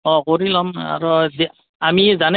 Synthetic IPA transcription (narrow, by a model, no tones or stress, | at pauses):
ɔ̃koɹilɔma̰ɹɔzi | amizan